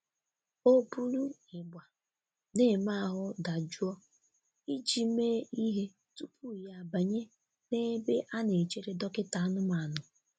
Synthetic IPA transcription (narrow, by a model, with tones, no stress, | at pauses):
o˦bu˦lu˦ɪ˨ɡ͡bʷa˨ | ne˦˨ma˦a˦˨ɦʊ˦da˨d͡ʒu˦ɔ˦ | i˦d͡ʒi˨me˦i˦ɦe˦ | tu˦pu˦˨ja˨ba˨ɲe˦ | ne˦be˦ʔa˦ne˨t͡ʃe˦ɾe˦dɔ˦kɪ˦ta˨a˦nʊ˦ma˨nʊ˨